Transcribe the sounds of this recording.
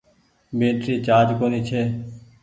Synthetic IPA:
bẽːʈɾiːt͡ʃaːd͡ʒkoːniːt͡ʃʰeː

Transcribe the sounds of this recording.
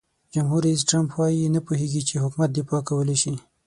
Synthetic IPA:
d͡ʒamɦuɾais̬ʈɾampwɑjinapuɦeɡit͡ʃeɦʊkmat̪̚d̪epɑkawəleʃi

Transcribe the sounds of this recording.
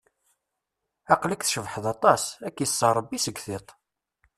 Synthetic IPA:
ɑqləkθʃəvħəðɑt̪ˤɑsækːjəsˤːəɾˤəbːisəɡθet̪ˤ

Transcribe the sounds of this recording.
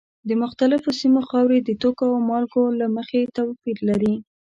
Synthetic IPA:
d̪əmʊxt̪alɪfosimoxɑwɾed̪ət̪okoawmɑlɡolaməxet̪awpiɾlaɾi

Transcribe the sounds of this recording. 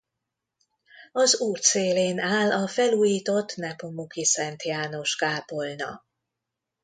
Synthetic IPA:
ɒzuːrt̪seːleːnaːlɒfɛluːjiːt̪o̞t̪ːnɛpomukisɛnt̪jaːno̞ʃkaːpo̞lnɒ̰

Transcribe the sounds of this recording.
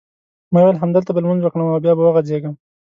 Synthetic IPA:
mɑwelɦamd̪əlt̪abalmanzwəkɳamawbjɑbawaɣazeɡəm

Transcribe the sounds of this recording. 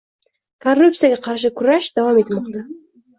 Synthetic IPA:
kʰorːup̪̚sɨjaɡʲaqʰɑɾʃɪkʰʊɾaʃd̪avɑmet̪ɪlmɒqt̪ɑ

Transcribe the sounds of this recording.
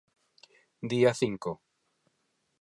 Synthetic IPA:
d̪iaθiŋko

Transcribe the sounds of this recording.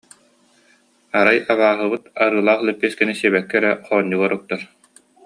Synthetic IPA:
aɾajaβaːɦɯbɯt̪aɾɯːlˠaːχlɛpːiskɛnisiɛbɛkːɛɾɛχɔːɲːuɡɔɾuk̚t̪aɾ

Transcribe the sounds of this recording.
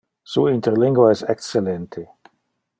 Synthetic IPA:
suint̪eɾliŋɡwaɛsekst͡sːelent̪ʰe

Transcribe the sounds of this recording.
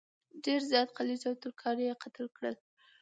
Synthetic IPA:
ɖeɾzjɑt̪qalit͡ʃawt̪əɾkʰɑɾjeqat̪əlkɽəl

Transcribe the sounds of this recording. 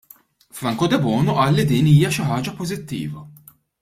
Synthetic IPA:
fɾɐŋkɔd̪ɛbɔːnɔʔɐːlːid̪iːniːjɐʃɪħɐːd͡ʒɐpɔzɪt̪ːḭːvɐ

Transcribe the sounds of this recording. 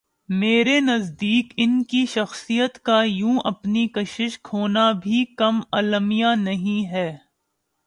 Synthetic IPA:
meːɾenɐzd̪iːkɪnkiʃɐxsijət̪kajũːʔɐpnikɐʃɪʃkʰoːnabʱikɐmɐləmijanɐɦĩɦɛː

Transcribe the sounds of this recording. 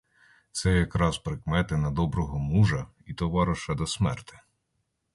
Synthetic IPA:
t̪sɛjɐkɾɑzpɾɪkmɛt̪ɪnɐd̪ɔbɾɔɦɔmuʒɐ | it̪ɔʋɑɾɐʃɐd̪ɔsmɛ̰rt̪ɪ̥

